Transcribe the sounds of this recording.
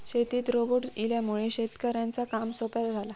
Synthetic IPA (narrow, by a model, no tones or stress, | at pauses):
ɕet̪iːt̪ɾoboʈiljamuɭeɕet̪kəɾjãnt͡sakamsopat̪d͡zʱala